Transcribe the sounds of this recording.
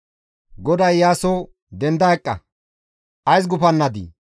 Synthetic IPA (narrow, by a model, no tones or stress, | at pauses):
ɡɔd̪ɐjːaːso | d̪ɛnd̪ɐɛkʼːɐ̰ | ʔɐjs̬ɡʊpɐnːɐd̪ḭ